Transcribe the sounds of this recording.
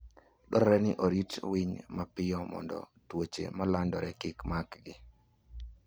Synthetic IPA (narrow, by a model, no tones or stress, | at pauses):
ɗɔɾɾɛnɪ̰ʔoɾitwiɲmapɪjɔmɔ̰ndɔ̰ | twot͡ʃḛmalandɔɾɛkɪkmakɡɪ